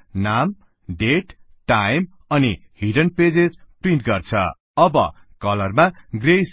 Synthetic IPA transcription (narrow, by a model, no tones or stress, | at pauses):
nam | ɖeʈ | ʈːajm | ʌni | hiɖʌnped͡zed͡zprinʈɡʌrt͡sʰʌ̰ | ʌbʌ̰ | kʌlʌrmaɡrejs